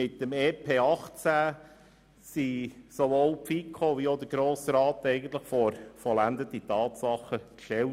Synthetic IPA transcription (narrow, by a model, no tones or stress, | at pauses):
ɪtːəmɛːpʰeːɑχt͡sæː | sisoʋoːlpfikʰχoʋiod̪əɾɡɾoːsɾɑːtɛɪɡən̩t̪ləχfɔɾfɔlænd̪əd̥itɑːt̪sɑχːəkʃtɛl